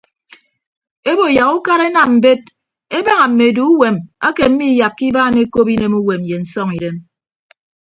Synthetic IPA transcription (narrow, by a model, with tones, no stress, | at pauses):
e˦bo˨ja˨ɣu˦ka˦ɾe˦na˨mm̩˨be˦t̚ | e˦ba˦ŋa˨m̩˨me˨du˨u˦we˨ma˦ke˨m̩˦mi˦ja˨p̚ki˦baː˦ne˦ko˦pi˦ne˦mu˦we˨mje˨n̩˨sɔ˦ŋi˨ɾe˦m